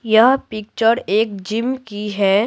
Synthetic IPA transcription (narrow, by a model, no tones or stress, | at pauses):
jɐɦpɪk̚t͡ʃəɾeːk̚d͡ʒɪmkiɦɛː